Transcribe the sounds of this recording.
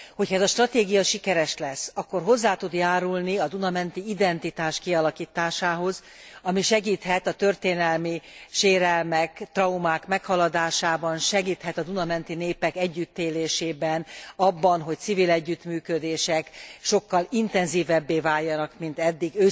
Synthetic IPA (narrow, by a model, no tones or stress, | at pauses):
ho̞chɒɛzɒʃt̪rɒt̪eːɡijɒʃikɛɾɛʃlɛsːɒkːo̞rɦo̞zːaːt̪ud̪jaːɾulniɒd̪unɒmɛnt̪iid̪ɛnt̪it̪aːʃkiɒlɒkiːt̪aːʃaːɦo̞z | ɒmiʃɛɡiːt̪hɛt̪ɒt̪ørt̪eːnɛlmiʃeːɾɛlmɛkt̪rɒumaːkmɛkhɒlɒd̪aːʃaːbɒnʃɛɡiːt̪hɛt̪ɒd̪unɒmɛnt̪ineːpɛkɛɟːyt̪ːeːleːʃeːbɛnɒbːɒnɦo̞c̪sivilɛɟːyt̪myːkød̪eːʃɛkʃo̞kːɒlint̪ɛnziːvɛbːeːvaːjːɒnɒkmint̪ɛd̪ːiɡøː